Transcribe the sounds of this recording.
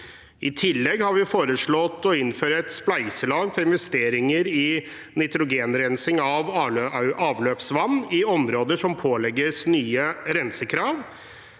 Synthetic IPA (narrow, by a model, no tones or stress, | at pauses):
ʔɪt̪ʰɪlːɛɡhɑɾʋɪfoːɾəʂɭɔt̪ːɔɪnføːɾəɛt̪splæɪsəlɑːɡfɔɾɪnʋɛst̪eːɾɪŋəɾɪ | nɪt̪ɾʊɡeːnɾɛnsɪŋɑʋʔɑːʋløːpsʋɑnːɪɔmɾoːd̪əʂɔmpʰoːlɛɡːəsnyːəɾɛnsəkʰɾɑːʋ